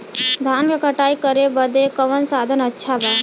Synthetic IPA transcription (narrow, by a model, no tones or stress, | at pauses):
d̪ʱaːnkekəʈaːikəɾebəd̪ekəʋənsaːd̪ʱənətːʃʰabaː